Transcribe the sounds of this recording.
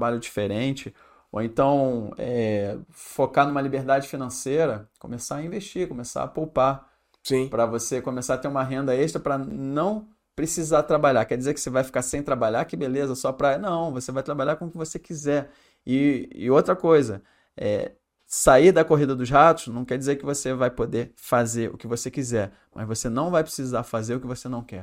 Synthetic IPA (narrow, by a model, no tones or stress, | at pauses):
t̪baʎʊd͡ʒifeɾẽt͡ʃɪ | o̰ẽnt̪ɐ̃w̃ɛ | fokanũmɐlibeɾd̪ad͡ʒɪfinɐ̃sejɾɐkõ̰mesaɐĩveʃt͡ʃikõmesa̰ɐpowpa | sĩpɾɐvosekõmesat̪eɾũmɐɦẽnd̪ɐeʃt̪ɾɐpɾɐnɐ̃w̃ | pɾesizat̪ɾabaʎakɛɾd͡ʒizeɾkɪ̥sevajfi̥kaɾsẽj̃t̪ɾabaʎakɪbelezɐsɔpɾajɐnɐ̃w̃vosevajt̪ɾabaʎakõʊkɪvosekizɛɾ | ɪ̰ːowt̪ɾɐkojzɐ | ɛ̰ | saiɾd̪ɐkoɦid̪ɐd̪ʊzɦat̪ʊ̥snɐ̃w̃kɛɾd͡ʒizeɾkɪvosevajpod̪eɾfazeɾʊ̰kɪvosekizɛɾ | mʔɐ̰zvosenɐ̃w̃vajpɾɪ̥sizaɾfazeɾʊkɪvosenɐ̃w̃kɛ